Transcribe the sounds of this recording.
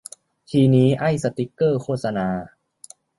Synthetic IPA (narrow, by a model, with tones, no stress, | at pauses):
t̪ʰiː˧niː˦˥ʔa˥˩jsa˧t̪i˦˥kːɤː˥˩kʰoː˥˩t̪̚sa˧naː˧